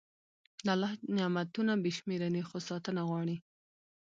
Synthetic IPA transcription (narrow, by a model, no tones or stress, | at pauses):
d̪əalːɑhnɪɑmat̪unabeʃmeɾanixosɑt̪ənaɣwɑɽi